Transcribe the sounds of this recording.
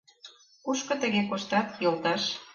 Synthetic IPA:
kuʃkɤ̆t̪ə̆ɣekoʃt̪ɑt̪jolt̪ɑʃ

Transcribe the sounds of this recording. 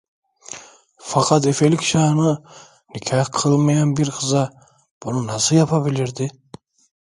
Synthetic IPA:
fakʰat̪efelicʰʃaːnɯ | nicʰahqʰɯlˠmajanbiɾqʰɯza | b̥ununasɯljapʰabilʲiɾd̪i

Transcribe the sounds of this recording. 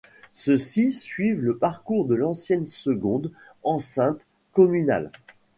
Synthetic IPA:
səsisɥivləpaʁkuʁd̪əlɑ̃sjɛnsəɡɔ̃d̪ | ɑ̃sɛ̃t̪ | kɔmyna̰l

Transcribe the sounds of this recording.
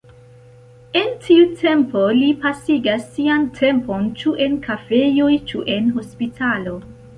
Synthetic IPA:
e̞ntʰiutʰe̞mpo̞lipasiɡasːiantʰempo̞nt͡ʃuʔe̞nkafe̞jojt͡ʃuʔe̞nɦo̞spitʰalo̞

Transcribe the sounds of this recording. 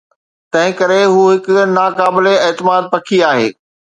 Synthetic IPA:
t̪ɐ̃ɦɪ̃kɐɾeɦuːɦɪk̆naːkaːbɪleɛːt̪ɪmaːd̪̚pɐkʰiaːɦḛː

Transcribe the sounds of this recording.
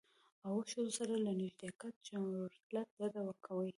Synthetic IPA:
awoʃozosaɾalaniʒd̪eakat̪̚d͡ʒamɾoɾiklat̪̚d̪ad̪awəɾkʰawəj

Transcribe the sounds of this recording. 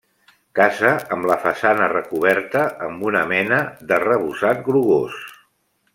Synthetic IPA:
kazəəmləfəsanərəkuβɛɾt̪əʔːmbunəmɛnəðərəβuzat̪̚ɡɾuɣos

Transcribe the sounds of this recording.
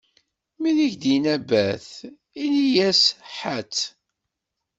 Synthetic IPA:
miðiçd̪inæbæθ | ilijæsħat͡sː

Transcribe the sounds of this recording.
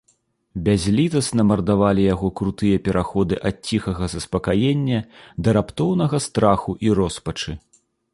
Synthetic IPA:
bʲazʲlʲit̪ɐsnɐmɐrd̪avalʲijaɣɔkɾut̪ɨjɐpʲɛɾʔaxɔd̪ɨʔɐt̪̚t͡sʲixɐɣɐzɐspɐkajenʲːɐd̪ɐɾapt̪ɔwn̪ɐɣɐst̪ɾaxuʔiɾɔspɐt͡ʂɨ

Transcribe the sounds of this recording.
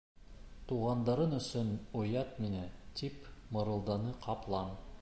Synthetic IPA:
t̪uʁɑnd̪ɑɾɤnɵ̆sɵnŏjɑt̪minæt̪ipmɤ̆ɾɤ̆lˠd̪ɑnɤqʰɑplˠɑm

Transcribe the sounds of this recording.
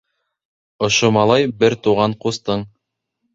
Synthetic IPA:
ŏʃomɑlˠɑjbɘɾt̪uʁɑɴqust̪ɤɴ

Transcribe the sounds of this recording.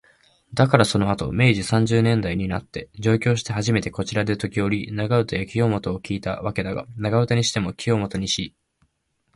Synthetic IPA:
d̪akaɾaso̞no̞at̪o̞̰me̞ːʑisãɲ̟d͡ʑɨːnẽ̞nd̪aiɲ̟ina̰t̪ːe̞d͡ʑo̞ːkʲo̞ːɕ̬i̥t̪e̞ɦaʑime̞t̪e̞ko̞t͡ɕiɾad̪e̞t̪o̞kʲio̞ɾʲinaɡaɯ̟t̪ajakʲijo̞ːmo̞t̪o̞ːkʲiːt̪a̰βake̞d̪aɡa̰naɡaɯ̟t̪aɲ̟iɕi̥t̪e̞mo̞kʲijo̞ːmo̞t̪o̞ɲ̟iɕi

